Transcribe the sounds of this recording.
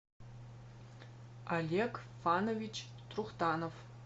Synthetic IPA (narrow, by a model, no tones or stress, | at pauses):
alʲekfanovʲit͡ʃ | t̪ruχt̪anof